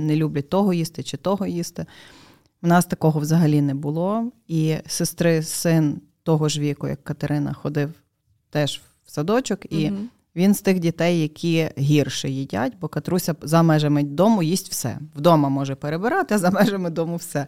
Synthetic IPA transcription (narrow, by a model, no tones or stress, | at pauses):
nelʲublʲɐt̪ɔɦɔjist̪ɪt͡ʃɪt̪ɔɦɔjist̪ɪ | wnɑst̪ɐkɔɦɔwzɐɦɐlʲinɛbʊlˠɔisɪst̪ɾɪsɪn | t̪ɔɦɔʒʋʲikʊjɐ̰kːɐt̪eɾʔɪnɐ̰xɔd̪ɪw | t̪ɛʒ | wsɐd̪ɔt͡ʃʊki | ʋʲinst̪ɪxdʲit̪ɛjːɐkʲʰiɦʲirʃɪjidʲa̰tʲbɔkɐt̪ɾusʲɐzɐmɛʒɐmed̪ɔmʊjisʲtʲwsɛ̰wd̪ɔmɐmɔʒɛpeɾebɪɾɑt̪ɪɐzɐmɛʒemɪd̪ɔmʊwsɛ